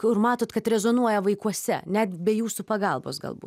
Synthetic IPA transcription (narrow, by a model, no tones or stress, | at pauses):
kʊɾmɑːt̪oːt̪kɐt̪ɾʲɛzoːnuɔjɛʋɐɪkuɔsʲɛ̰nʲɛt̪bʲɛjuːsupɐɡɐlˠbo̰ːsɡɐ̰lˠbṵt